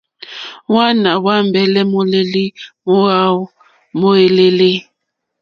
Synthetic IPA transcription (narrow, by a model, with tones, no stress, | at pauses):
wa˦na˨wa˦m˨bɛ˨lɛ˦mo˦le˦li˦mo˦ɣa˦ | mo˦e˨le˦le˦